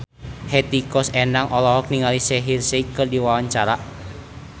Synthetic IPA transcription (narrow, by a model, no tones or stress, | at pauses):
hɛt̪ikɔsɛnaŋʔɔlɔɦɔk̚niŋalisɛɦirseikɨrdiwawaɲt͡ʃaɾaʔ